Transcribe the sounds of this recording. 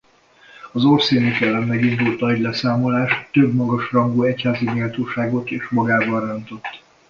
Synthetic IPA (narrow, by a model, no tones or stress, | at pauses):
ɒzorseːnikɛlːɛmːɛɡind̪ult̪ɒɟlɛsaːmo̞laːʃt̪øbmɒɡɒʃrɒŋɡoːɛchaːziɲilt̪oːʃaːɡo̞t̪eːʃmɒɡaːbɒrønt̪o̞t̪ː